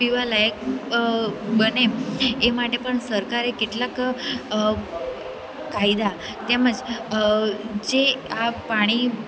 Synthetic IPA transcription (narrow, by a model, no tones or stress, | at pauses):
iʋaləjək̚ | bəneemaʈepəɳsəɾkaɾekit̪lak | kajd̪a | t̪ɛməd͡z | d͡ʑeapaɽ̃i